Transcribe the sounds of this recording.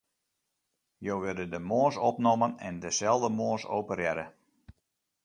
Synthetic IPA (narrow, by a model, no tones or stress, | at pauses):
jowʋɪdədəmoːsɔpnomənɛ̰ndəsɛlˠdəmoːsoːwpərjɛɾə